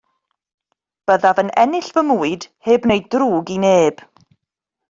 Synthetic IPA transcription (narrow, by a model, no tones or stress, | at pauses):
b̥əðavənɛ̰nɪɬvəmuːɨd̥heːbneɨd̚druːɡineːb̥